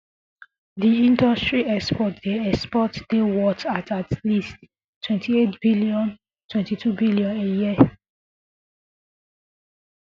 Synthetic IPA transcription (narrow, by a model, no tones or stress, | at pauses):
diĩndɔstɹiɛkspɔtd̥eɛspɔtdewɔtatatlist | tʰːwɛ̃ntʰietb̥iliɔ̃n | tʰwɛ̃ntitʰubiljɔ̃neji